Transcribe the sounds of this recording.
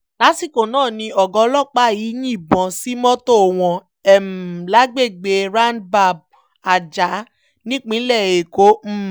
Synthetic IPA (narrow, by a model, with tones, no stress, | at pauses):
la˨˦si˦˨ko˨nãː˦˨nĩ˧ɔ˨ɡɔ̃˧˦lɔ˦˨k͡pa˦ji˨˦jĩ˦i˦˨bɔ̃˨˦si˦mɔ̃˦to˦˨w̃ɔ̃˧ | ɛ˨m˨la˨˦ɡ͡be˦˨ɡ͡be˧ɾa˦nba˦˨b̚ | a˨d͡ʒa˨˦ | nĩ˦k͡pĩ˨˦lɛ˦˨e˨ko˨˦m̩˦